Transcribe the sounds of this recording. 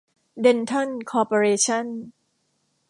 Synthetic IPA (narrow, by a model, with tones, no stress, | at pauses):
de˧nt̪ʰo˥˩˨nkʰɔː˧po˧ɾeː˧t͡ɕʰa˥˩n